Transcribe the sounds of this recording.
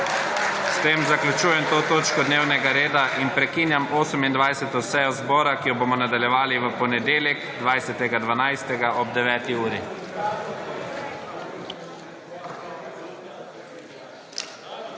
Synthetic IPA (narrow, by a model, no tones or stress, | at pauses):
st̪eːmzaklʲjut͡ʃuːjɛmt̪oːt̪oːt͡ʃkɔd̪neːwnɛɡaɾeːd̪aʔinpɾɛkiːnjamoːsəmind̪ʋajsɛt̪ɔsɛjɔzbɔːɾakijɔbomɔnad̪aljɛʋaːliʋəpɔnɛd̪eːljɛkd̪ʋajsɛt̪ɛɡad̪ʋanajst̪ɛɡaʔɔb̚d̪ɛʋɛːt̪iuːɾi